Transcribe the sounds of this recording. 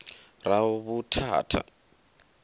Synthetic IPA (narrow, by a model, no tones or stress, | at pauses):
raɔβutʰa̰ːtʰa̰